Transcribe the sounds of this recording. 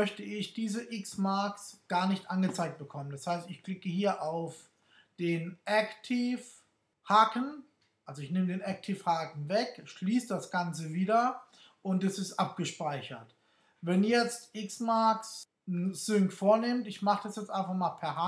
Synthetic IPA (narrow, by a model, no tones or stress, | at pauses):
mœçtəɪçd̥iːzəʔɪksmaɐksɡ̥aːɐnɪçtʔanɡət͡saɪk̚t̚b̥əkʰɔməndashaɪstɪçkl̥ɪkəhiːɐʔaʊf | d̥eːnʔɛktʰif | haːkn̩ | ʔalzoɪçnɪmədeːnɛk̚tʰifhaːkn̩vɛkʃliːsd̥asɡ̥ant͡səviːdɐ | ʔʊntɛsɪstʔap̚ɡ̥əʃpaɪçɐt | vɛnjɛt͡stʔɪksmaɐks | n̩zʏŋkfoːɐnɪmtɪçmaχəd̥asjɛt͡stʔaɪnfaχmaːlpʰɛɐha